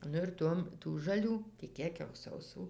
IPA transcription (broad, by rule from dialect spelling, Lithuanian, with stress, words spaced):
ˈnʊ ɪr ˈtuɔm tuː ʒɐˈlʲuː tʲɪ ˈkʲiɛk jɛʊ sɐʊˈsuː